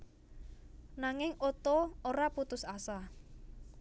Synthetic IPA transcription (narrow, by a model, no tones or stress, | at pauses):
naŋɪŋot̪ɔoɾaput̪ʊsasa